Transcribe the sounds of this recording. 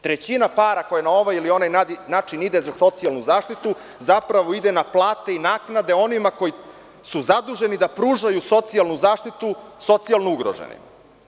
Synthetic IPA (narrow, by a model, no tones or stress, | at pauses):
t̪ɾet͡ɕinapaːɾako̞janao̞ʋajilio̞najanaːt͡ʃinid̪ezaso̞t̪sialˠnuzaːʃt̪it̪u | zapɾaʋo̞id̪enaplˠaːt̪e̞inaːknad̪e̞o̞nimako̞ji | suzad̪uʒe̞nid̪apɾuːʒajuso̞t̪sialnuzaːʃt̪it̪uso̞t̪sialˠnouɡɾo̰ʒḛnḭm